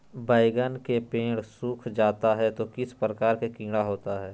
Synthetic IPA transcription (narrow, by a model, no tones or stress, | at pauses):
baːɪɡənkepẽːɽsuːkʰd͡ʒaːt̪aɦɛt̪okɪspɾəkaːɾkekĩːɽaɦoːt̪aɦɛː